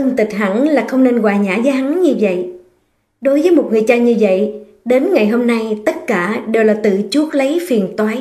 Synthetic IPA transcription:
ʔə˧ŋt̪ï˨˩k̟̚ɦa̰˧˩ŋlaː˨˩xə˧wŋ͡mne˧nɣwaː˨˩ɲaː˧˥zəː˨˦ɦa˨˦ŋɲɨ˧və̰˧˨j | ɗo˨˦jvəː˨˦jmo˨˩t̚ŋɨ˨˩əjt͡ɕaː˧ɲɨ˧və̰˧˨j | ɗe˨˦nŋa˨˩jɦo˧mna˧jt̪ə˦˥t̚kaː˧˩ɗe˨˩wlaː˨˩t̪ɨ̰˧˨t͡ɕu˦˥ət̚lə˨˦jfi˨˩ənt̪waː˨˦j

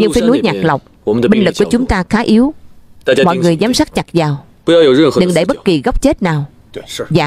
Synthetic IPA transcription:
ɲɨ˧ŋfi˨˦nu˨˦jɲaː˨˩k̚lə˨˩wk͡p̚ɓi˧ŋlɨ˨˩kːu˧˩ət͡ɕʊ˨˦ŋ͡mt̪aː˧xaː˨˦ʔi˨˦w | mɔ̰˧˨jŋɨ˨˩əjzaː˨˦msaː˦˥t̚ɲa˨˩k̚zaː˨˩w | ɗɨ˨˩ŋɗe˧˩jɓə˦˥t̚ki˨˩ɣa˦˥wk͡p̚t͡ɕe˦˥t̚naː˨˩w | vaː˨˩

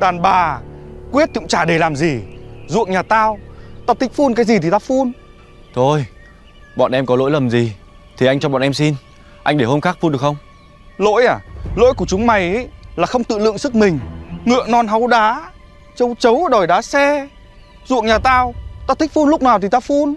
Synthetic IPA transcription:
ɗaː˨˩nɓaː˨˩kwi˦˥ət̚t̪i˨˧˥ŋ͡mt͡ɕaː˧˩ɗe˧˩laː˨˩mzi˨˩zṵ˧˨əŋɲaː˨˩t̪aː˧wt̪aː˧t̪i˦˥k̟̚fu˧nkaː˨˦jzi˨˩t̪i˨˩t̪aː˧fu˧n | t̪ʰo˧j | ɓɔ̰ː˧˨nʔɛ˧mkɔ˨˦lo̰˧˥jlə˨˩mzi˨˩ | t̪ʰi˨˩ʔa˧jt͡ɕɔ˧ɓɔ̰˧˨nʔɛ˧msi˧n | ʔa˧jŋ̟ɗe˧˩ho˧mxaː˦˥k̚fu˧nɗəkxə˧wŋ͡m | lo̰˧˥jʔaː˨˩lo̰˧˥jku˧˩ət͡ɕʊ˨˦ŋ͡mma˨˩jʔə˨˦jlaː˨˩xə˧wŋ͡mt̪ɨ̰˧˨lɨ̰˧˨əŋsɨ˦˥k̚mï˨˩ŋ̟ŋɨ̰˧˨ənɔ˧nɦa˨˦wɗaː˨˦ | t͡ɕə˨˧˦wt͡ɕə˨˦wɗɔ˨˩jɗaː˨˦sɛ˧ | zṵ˧˨əŋ̚ɲaː˨˩t̪aː˧wt̪aː˧t̪ʰï˦˥k̚fu˧nlʊ˥k͡p̚naː˨˩wt̪i˨˩t̪aː˧fu˧n

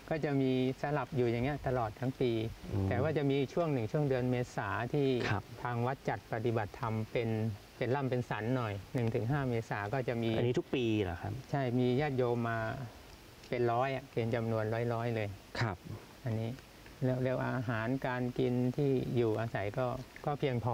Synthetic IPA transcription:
kɔː˥˩t͡ɕa˨˩miː˧sa˧la˨˩p̚juː˨˩ja˨˩ŋːi˦˥ɐʔt̪a˧lɔː˨˩t̪ʰːa˦˥ŋpiː˧t̪ɛː˨˩waː˥˩t͡ɕa˨˩ʔmiː˧t͡ɕʰu˥˩əŋnɯ˨˩ŋt͡ɕʰu˥˩əŋdɯ˧ənmeː˧saː˩˦t̪ʰiː˥˩˧t̪ʰaː˧ŋwa˦˥t̪̚t͡ɕa˨˩t̪̚pa˧t̪i˨˩ba˨˩t̪ʰːa˧mpe˧n | pe˧nla˥˩mpe˧nsa˩˦nːɔ˨˩jnɯ˨˩ŋt̪ʰɯ˩˦ŋɦaː˥˩meː˧saː˩˦kɔː˥˩t͡ɕa˨˩ʔmiː˧a˧nːiː˦t̪ʰu˦˥k̚piː˧la̰˨˩kʰa˦˥pt͡ɕʰa˥˩jmiː˧jaː˥˩t̪̚joː˧mːaː˧ | pe˧nɾɔː˦˥jʔa˨˩ʔpe˧nt͡ɕa˧mnu˧ənɾɔː˦˥jɾɔː˦˥jlɤː˧jkʰa˧˩p̚ | ʔa˧nːiː˦˥ | li˥˦˩əwlɯ˥˩əw̚ʔaː˧ʔːɦaː˩˦nkaː˧nki˧nt̪ʰiː˥˩juː˨˩ʔaː˧sa˩˦jkɔː˥˩kɔː˥˩pʰi˧əŋpʰɔː˧˩

